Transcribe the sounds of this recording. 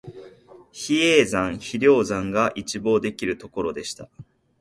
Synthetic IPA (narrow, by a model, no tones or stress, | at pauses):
çieːzãɰ̃çiɾʲo̞ːzãŋɡaʔit͡ɕibo̞ːd̪e̞kʲiɾɯ̟t̪o̞ko̞ɾo̞d̪e̞ɕi̥t̪a